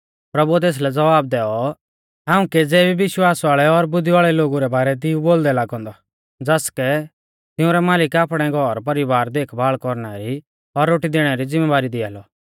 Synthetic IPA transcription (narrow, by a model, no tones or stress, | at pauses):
pɾɐbuɛt̪eːs̬lɛd͡zɐʋaːb̚d̪ɛːɔ | ɦaːũked͡zɛːbiʋɪʃwaːsʋaːɭɛɔɾbʊd̪iʋaːɭɛloːɡuɾɛbaːɾɛt̪̬ɪũboːld̪ɛlaːɡɔ̃ːnd̪ɔ | d͡zɐskɛ | t̪ɪʊ̃ɾɛmaːlɪkaːpɽ̃ɛɡʱɔɾpɐɾibaːɾd̪eːkʰbaːɭkɔɾɽ̃aɾi | ɔɾːoːʈid̪eːɽ̃ɛɾid͡zɪ̃mːɛʋaːɾid̪ɪa̰ːlɔ